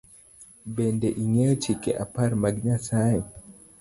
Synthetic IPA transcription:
bɛndɛʔiŋɛt͡ʃikɛʔapaɾmaɡɲasajɔ

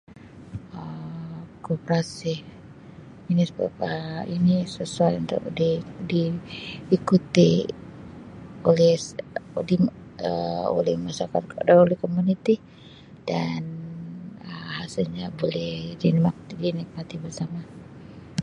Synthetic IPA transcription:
ə | kopɾasih | inisəba̰p̚əinisəsuajunt̪ʊ̰kdidiikut̪ḭ | olɛhdi | əo̰lɛhmasakat̪daolɛhkomunit̪i | d̥an | əhasɪlɲabolɛhdinmak̚dinik̚mat̪ibərsama

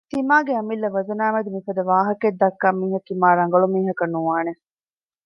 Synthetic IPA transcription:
t̪imaːɡeɐmilːɐʋɐzɐnæːmɐd̪imifɐd̪ɐʋaːɦɐked̪ːɐkːaːmiːɦɐk̪imaːɾɐŋɡɐɭumiːɦɐkɐnuʋaːne

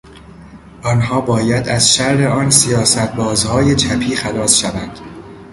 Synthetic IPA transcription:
ʔɒːnɦɒːbɒːjæd̪æzʃæɾe̞ɒːnsijɒːsæt̪̚ʰbɒːzhɒːje̞t͡ʃʰæpʰiːxælɒːsʃævænd̪̥

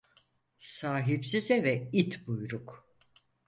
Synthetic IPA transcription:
saːɦipsizɛvɛit̪ʰbujɾuk

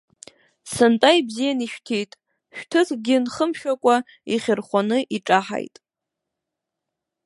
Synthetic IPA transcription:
sɨntʼaibzijaniʃᶣtʰejtʼ | ʃᶣtʰɨkʰɡʲɪnχəmʃᶣakʷʼa | iχʲɪrχʷanɨʔiʈ͡ʂʼaħa̰jtʼ

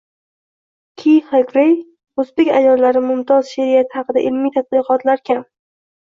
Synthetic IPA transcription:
kʲʰijχekɾej | ɵzbekʲa̰jɒlːaɾɪmʊmt̪ʰɒzʃeɾijat̪ʰɪhɑqɨd̪a̰ʔɪlmijt̪ʰat̪̚bɨqɒt̪ʰlaɾkʲʰam

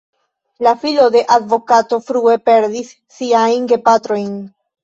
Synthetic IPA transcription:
lafilo̞de̞ʔadvo̞kato̞fɾue̞pe̞ɾdisːiajnɡe̞patɾo̞jn

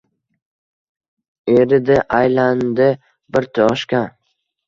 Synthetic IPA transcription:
eɾɪd̪ɪʔajland̪ɪ | bɪɾt̪ʰɒʃkʲa

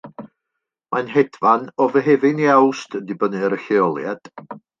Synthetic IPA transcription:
mʔanɦɛd̥vanɔvəɦɛvɪniawstədɨbənɨɾəɬeɔlˠjad̥

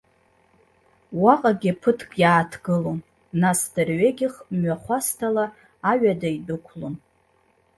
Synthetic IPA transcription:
waqʼaɡʲapʰɨtʰkʼjaːtʰɡ̥ɨlon | nasdɨrɥeɡʲɪχmɥaχʷastʰalaː | ɥadaidɨkʷʰlon

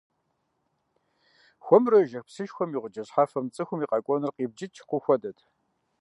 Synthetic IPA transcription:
xʷɔmrɐʒɐxpsɨʃxʷɔmiːʁʷʊd͡ʒɐɕħaːfɐmt͡sʼɨxʷʊmiːqʼɑkʷʼɔnɨrqiːb̚d͡ʒɪt͡ʃʰqʷʊxʷɔdɐtʰ

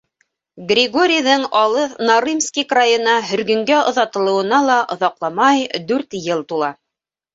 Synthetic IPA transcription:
ɡrʲɪɡo̞ɾʲijðɤŋɑlˠɤθnaɾimskikrajɤ̆nɑɦɵ̆ɾɡɵ̆ŋɡæŏðɑt̪ɤ̆lˠɤ̆wɤ̆nɑlˠɑʔŏðɑqlˠɑmɑjd̪ʉɾt̪jɤlˠt̪ulˠɑ

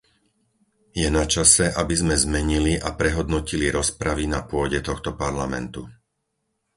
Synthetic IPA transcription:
jɛnat͡ʃasɛʔabizmɛzmɛɲiliʔapɾɛɦɔd̪nɔciliɾɔspɾaʋinapʊɔɟɛt̪ɔxt̪ɔpaɾlamɛ̰nt̪u

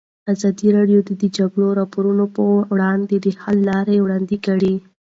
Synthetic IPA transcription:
azɑd̪iɾɑɖjod̪əd̪əd͡ʒaɡɽoɾɑpoɾunopəwɽɑnd̪ed̪əhalːɑɾewɽɑnd̪ikaɽi

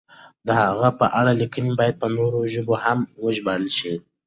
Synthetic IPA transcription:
d̪əhaɣapəʔaɽalikənibɑjad̪̚pənoɾoʒəbohamwəʒbaɽəlʃi

